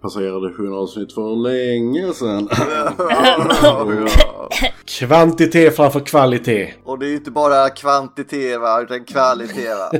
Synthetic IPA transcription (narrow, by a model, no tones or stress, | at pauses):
pʰaseːɾad̪əhɵnɑːsnɪt̪ːfœɾlɛŋːəsɛn | kʰvant̪ɪt̪ʰeːfɾamfœːɾkʰvalɪt̪ʰeːɔd̪ɛæjʏnt̪əbɑːɾakʰvant̪ɪt̪ʰeːəɾvaʉ̟ːt̪ankʰvalɪt̪ʰeːva̰